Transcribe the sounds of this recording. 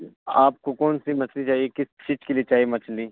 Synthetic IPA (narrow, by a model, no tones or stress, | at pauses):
aːp̚kokɔːnsimɐt͡ʃlit͡ʃaːɦiekɪst͡ʃiːd͡ʒkeliet͡ʃaːɦiemɐt͡ʃliː